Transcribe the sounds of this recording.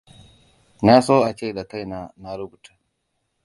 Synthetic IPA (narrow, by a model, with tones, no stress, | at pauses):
na˦soː˦ʔa˨t͡ʃeː˦˨da˨ka˦jna˦˨na˦ɾʊ˦bu˨ta˨